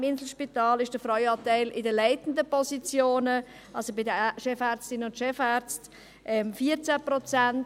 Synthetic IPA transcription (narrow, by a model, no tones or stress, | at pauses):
mɪnsl̩ʃpitɑːlɪʃd̥əfɾɔʏɑːtaɪlɪdəlæɪtn̩dəpɔsit͡sjoːnə | ʔɑlsobɪdəʃɛfæːɾt͡stɪnəʊntʃɛfaːɾt͡st | ʔɛmfiːət͡sæpʁɔt͡sænt